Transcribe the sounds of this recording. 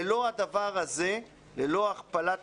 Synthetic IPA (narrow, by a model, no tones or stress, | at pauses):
lo̞ad̪avaʁhaze | lelo̞aχpalat